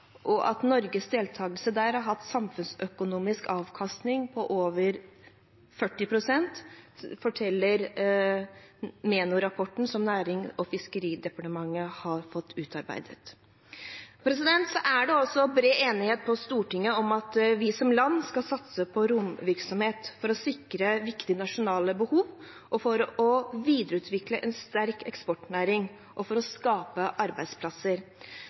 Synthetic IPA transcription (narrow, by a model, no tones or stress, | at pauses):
ʔɔʔɑt̪nɔɾɡəsd̪eːlt̪ʰɑːɡəlsəd̪æːɾhɑɦɑt̪ːsɑmfʉnsœkʊnuːmɪskɑːʋkʰɑst̪nɪŋpʰɔʔoːʋəɾ | fœʈːɪpʰɾʊsɛnt̪fɔʈʰɛlːəɾ | meːnʊɾɑpʰɔʈːn̩sɔmnæːɾɪŋɔfɪskəɾiːd̪ɛpɑʈəmɑŋːəhɑɾfɔt̪ʰːʉːt̪ɑɾbæ̰ɪd̪ət̪ | pʰɾɛs̬ɪd̪ɛnt̪sɔʔæɖɛɔsːɔbɾeːʔeːnɪheːt̪̚pʰɔst̪uːʈɪŋːəɔmɑt̪ʋɪsɔmlɑnːskɑlsɑt̪səpʰɔɾʊmʋɪɾksɔmheːt̪fɔɾɔsɪkɾəʋɪkt̪ɪnɑʂʊnɑːləbəhuːʋ | ʔɔfɔɾɔʋiːd̪əɾəʉːt̪ʰʋɪkləʔɛnst̪æɾkɛkspɔʈnæːɾɪŋ | ʔɔfɔɾɔskɑːpəʔɑɾbæɪd̪spʰlɑsəɾ